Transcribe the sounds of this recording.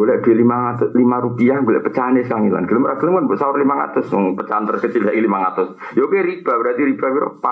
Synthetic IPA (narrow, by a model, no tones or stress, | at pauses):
ɡolɛʔd̥uelimaŋat̪ʊslimaɾupiahɡolɛ̰ʔpət͡ʃaneskaŋila̰nɡ̥ələmɾaɡ̥ələmanboʔsaʊrlimaŋa̰t̪ʊsŋpət͡ʃant̪ərkət͡ʃɪljailimaŋat̪ʊs | jokeɾib̥abəɾat̪iɾib̥abiɾo̰pa